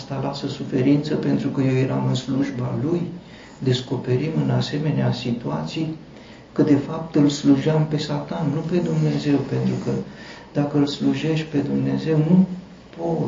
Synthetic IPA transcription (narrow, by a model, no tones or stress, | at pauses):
st̪alasəsufe̞ɾint̪səpe̞nt̪ɾukəje̞wje̞ɾamɨnsluʒbaluj | d̪e̞sko̞pe̞ɾimɨnase̞me̞neasit̪uat̪sij | kəd̪e̞fapt̪ɨlsluʒeampe̞sat̪anːupe̞d̪umne̞ze̞wpe̞nt̪ɾukə | d̪̥akəɨlsluʒe̞ʃt̪̚ʲpe̞d̪umne̞ze̞wnu | po